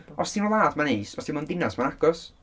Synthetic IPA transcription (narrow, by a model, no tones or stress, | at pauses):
ɔsinɔlˠaːdmaneːsɔsdinmandɪnasmanaɡɔs